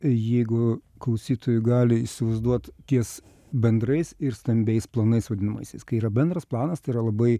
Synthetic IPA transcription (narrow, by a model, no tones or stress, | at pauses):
jɛɪɡʊ | klˠɐʊsʲiːt̪oːjʊɡɑːlʲɪiʃsʲɪʋɐɪzd̪uɔt̪t̪ʲiɛs | bʲɛnd̪ɾɐɪsɪɾst̪ɐmʲbʲɛɪsplˠɐnɐɪsʋɐd̪ʲɪnɐmɐ̰ɪsʲɛɪskɐɪiːɾɐbʲɛnd̪ɾɐsplˠɑːnɐst̪ɐɪiːɾɐlˠɐbɐɪ